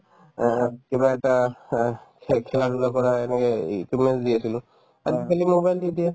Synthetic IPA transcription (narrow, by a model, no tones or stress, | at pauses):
kebaɛta | kʰɛlaɾulakɔɹaɛnɛkɛikimɛnsdiasilʊ̃ | azikalimobajldidija